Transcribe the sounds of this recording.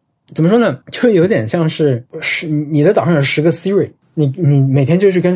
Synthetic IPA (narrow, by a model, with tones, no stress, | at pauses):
t͡sə˨˩mə˦ʂwɔ˥nə˨t͡ɕo˥˧˩jo˧˥ʊt̪jɛ˨˩nɕjɑ˥˧ŋʂɻ̩˥˩ʂ̩˧˩˧ni˨˩ə˦t̪ɑ˨˩ʊʂɑ˥˩o˧˩ʂɻ̩˧˥ɡə˧si˥ɹi˨˩ | ni˨˩ni˨˩me˨˩ɪt̪ʰjɛ˥nt͡ɕjo˥˧ʊʂɻ̩˥˩kə˥n